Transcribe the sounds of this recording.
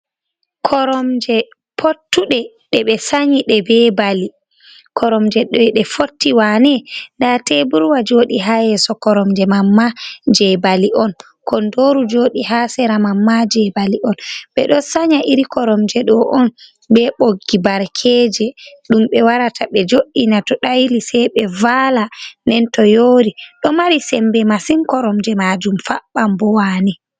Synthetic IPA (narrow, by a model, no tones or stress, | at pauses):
kʰɔɾɔmd͡ʒɛ | pʰotːuɗɛ | ɗɛɓɛsaɲiɗɛbɛbali | kʰɔɾɔmd͡ʒɛɗɔɗɛfotːiwanɛndatɛbuɾwad͡ʒoɗiɦajɛsɔkɔɾɔmd͡ʒɛmamːad͡ʒɛbaliʔɔn | kʰɔndoɾud͡ʒoːɗihasɛɾamamːad͡ʒɛbaliʔɔnɓɛ̰ɗɔsaɲaʔiɾikɔɾɔmd͡ʒɛɗɔʔɔn | bɛɓoɡːibaɾkʰɛd͡ʒɛɗumɓɛwaɾatʰaɓɛd͡ʒoɗːinatɔɗajlisɛjɓɛvalanɛntɔjoːɾiɗɔmaɾisɛmbɛmasinkɔɾɔmd͡ʒɛmad͡ʒumfaɓːambɔwani